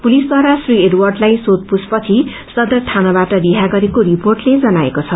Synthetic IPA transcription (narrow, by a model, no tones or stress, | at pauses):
pulisd̪waɾasrieɖwarɖlajsot̪̚puspʌt͡sʰi | sʌd̪ʌrt̪ʰanʌbaʈʌɾiɦaɡʌɾekoɾiporʈled͡zʌnaḛkot͡sʰʌ